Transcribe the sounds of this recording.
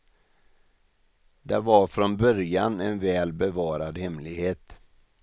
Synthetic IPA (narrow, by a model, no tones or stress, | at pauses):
d̪ɛvaɾfɾɔnbœɾjanɛnvɛːlbɛvɑːɾad̪hɛmlɪɡheːt̪